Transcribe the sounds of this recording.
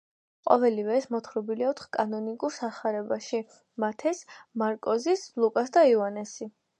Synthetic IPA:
qʼɔ̰vɛlivɛːsmɔt̪χɾɔbiliaɔt̪ʰχkʼanɔnikʼuɾsaχaɾɛbaʃi | mat̪ʰɛsmaɾkʼɔzisblˠukʼasd̪aianɛsi

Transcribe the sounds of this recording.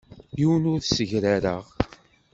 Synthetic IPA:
jiwənʊɾθsəʝɾaɾəʁ

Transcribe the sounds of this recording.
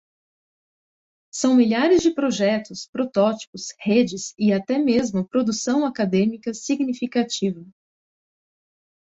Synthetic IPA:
sɐ̃w̃miʎaɾɪzd͡ʒɪpɾoʒɛt̪ʊspɾot̪ɔt͡ʃi̥pʊshed͡ʒɪsɪat̪ɛmezmʊpɾod̪usɐ̃w̃akad̪ẽmikɐsiɡnifikat͡ʃivɐ

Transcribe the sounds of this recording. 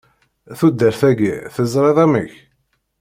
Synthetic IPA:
θud̪ːəɾθæɡḭθəzˤɾˤeðˤæməç

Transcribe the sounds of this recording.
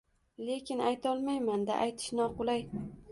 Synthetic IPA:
le̞kʲɪnajt̪ʰɒlˠmajmand̪a̰ʔajt̪ʰɪ̥ʃnɒqʊlˠaj

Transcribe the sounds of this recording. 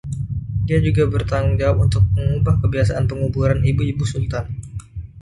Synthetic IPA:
diad͡ʒuɡabərt̪aŋd͡ʒawunt̪ʊk̚məŋubahkəbiasaʔanpəŋubuɾanibuibusult̪an

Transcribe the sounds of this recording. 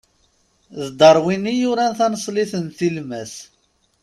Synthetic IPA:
ðd̪ɑɾˤwinijuɾænθɑnsˤliθənθilmæs

